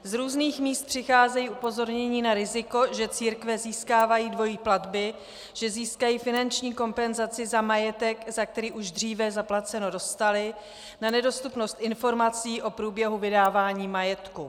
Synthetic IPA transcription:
zɾuːzniːxmiːst̪̚pr̝̥ɪxaːzɛjiːʔupo̞zo̞ɾɲɛɲiːnaɾɪzɪko̞ʒɛt͡siːɾkvɛziːskaːvajiːdvo̞jiːpladbɪ | ʒ̥ɛziːskajiːfɪnant͡ʃɲiːko̞mpɛnzat͡sɪzamajɛt̪ɛkzak̚t̪ɛɾiːʔuʒd̪r̝iːvɛzaplat͡sɛno̞do̞st̪alɪ | nanɛdo̞st̪upno̞st̪ʔɪnfo̞ɾmat͡siːʔo̞pɾuːbjɛɦuvɪdaːvaːɲiːmajɛt̪ku

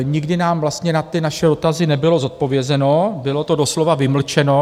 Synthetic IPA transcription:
ɲɪɡdɪnaːmvlast̪ɲɛnat̪ɪnaʃɛdo̞t̪azɪnɛbɪlo̞zot̪̚po̞vjɛzɛno̞bɪlo̞t̪o̞do̞slo̞vavɪml̩t͡ʃɛno̞

